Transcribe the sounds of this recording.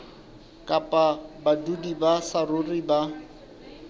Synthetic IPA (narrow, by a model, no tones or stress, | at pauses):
kʼapʼabadudibasarʊriba